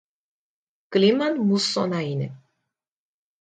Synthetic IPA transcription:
klimanmusɔnainɛ̰

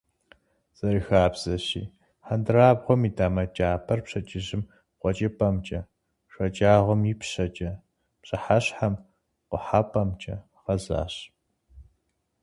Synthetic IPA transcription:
z̥ɐɾɨxaːbz̥ɐɕḭː | ħandɨraːbʁʷɔmidaːmɐt͡ʃʼaːpʰɐrpɕɐt͡ʃʼɪʑɪm | qʷɔt͡ʃʼɐpʰʼɐmt͡ʃʼɐ | ʂʷɐt͡ʃʼaːʁʷɔmjipɕɐt͡ʃʼɐ | pɕʼɐħaɕħam | qʷʊħapʰʼɐmt͡ʃʼɐ | ʁɐza̰ːɕ

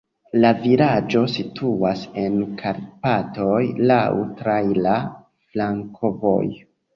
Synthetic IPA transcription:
laviɾad͡ʒo̞sitʰuase̞nkʰaɾpato̞jlawtɾajla | flaŋkʰo̞vo̞̰j

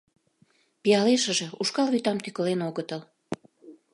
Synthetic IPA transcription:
pijɑleʃə̆ʒĕuʃkɑlβyt̪ɑmt̪ykəlenoɣət̪əl

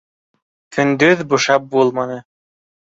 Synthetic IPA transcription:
t̪ʰynd̪yðbuʃɑp̚bulˠmɑnɤ

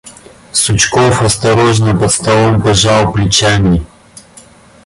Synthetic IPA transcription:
sut͡ʃkɔfɐst̪ɐɾɔʒnəpɐt̪st̪ɐlˠɔmpɐʒawˠplit͡ʃanʲi

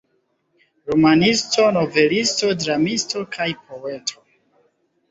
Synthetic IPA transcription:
ɾomanisto̞no̞ve̞listo̞dɾamisto̞kʰajpʰo̞e̞tʰo̞

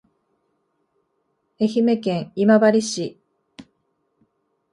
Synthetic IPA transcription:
e̞çime̞kẽ̞ɰimabaɾʲiɕi

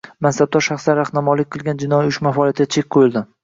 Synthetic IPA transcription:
mansab̚d̪ɒɾʃaχslaɾaχnamɒlɪk̚ʲqʰɨlˠɡʲand͡ʒɪnɒjiʊʃmafɒlijat̪ɪɡʲat͡ʃʰek̚ʲqʰojɪlˠd̪ɪ

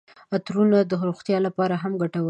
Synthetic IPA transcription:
at̪ɾunad̪əɦɾoxt̪jɑlapɑɾaɦamɡaʈawə

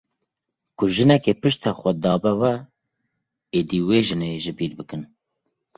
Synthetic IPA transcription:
kʰʊʒɨnɛkepɨʃt̪ʰɑxʷɛd̪ɑːbɛwɛ | eːd̪iweːʒɨneʒɨbiːɾbɨkɨn

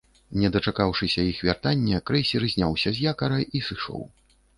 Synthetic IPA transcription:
nʲɛd̪ɐt͡ʂakawʂɨsʲɐixvʲart̪anʲːɛkɾɛsʲiɾɨzʲnʲawsʲɐzʲjakɐɾɐjʔisɨʂɔ̰w

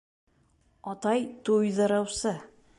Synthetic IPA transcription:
ɒt̪ɑjt̪ujðɑɾɑwsɤ

